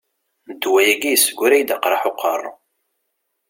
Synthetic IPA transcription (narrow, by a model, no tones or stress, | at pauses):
d̪ːwæjæɡijəsːəɡʷːuɾæjd̪əqɾˤɑħʊqːərˤː